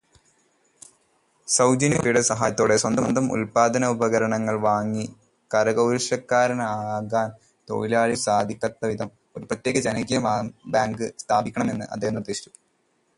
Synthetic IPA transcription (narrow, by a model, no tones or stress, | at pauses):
sɐwd͡ʑɐnjɐpːiɽesɐɦa̰ːjɐt̪ːoːɽe̞swɐnd̪ɐnd̪ɐmṵlpaːd̪ɐnɐubɐɣɐɾɐɳɐŋːɐɭʋaːŋːi | kɐɾɐɡɐwɾʂɐkːaːɾɐnɐaːɡaːn | t̪o̞̰ːɻilaːlisaːd̪ʱikʲːɐt̪ːɐʋid̪ʱɐm | o̞ɾuprɐt̪jeːɡɐd͡ʑɐnɐɡɐjɐabaːŋɡɨst̪ʰaːbikʲːɐɳɐme̞nːɨʔɐd̪ːeːɐnːurd̪ːiːsi̥t͡ɕːu̥